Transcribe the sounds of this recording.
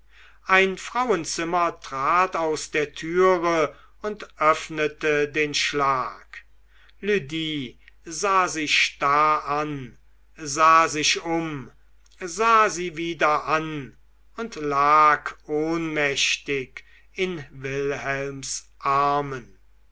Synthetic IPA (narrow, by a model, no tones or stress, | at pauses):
ʔaɪnfʁ̥awənt͡sɪmɐtʁ̥aːtaʊsd̥eːɐtʰyːʁə | ʊntʔœfnətədeːnʃlaːk | lyːdiːzaːzɪʃʃtaɐan | zaːzɪʃʊm | zaːziːviːdɐʔan | ʊntlaːkʰʔoːnmɛʃtɪk | ɪnvɪlhɛlmsʔaɐmən